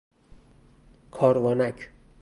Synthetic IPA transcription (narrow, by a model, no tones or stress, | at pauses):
kʰɒːɾvɒːnækʰ